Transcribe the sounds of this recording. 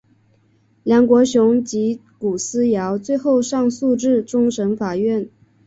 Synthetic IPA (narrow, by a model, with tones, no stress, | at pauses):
ljɑ˧˥ŋkwɔ˧˥ɕjʊ˧˥ŋt͡ɕi˧˥ku˨˩sɹ̩˥jɑ˧˥ʊt͡swe˥˧ɪxo˥˧ʊʂɑ˥˧ŋsu˥˧ʈ͡ʂɻ̩˥˩ʈ͡ʂʊ˥ŋʂə˧˥ŋfa˨˩ɥɛ˥˩n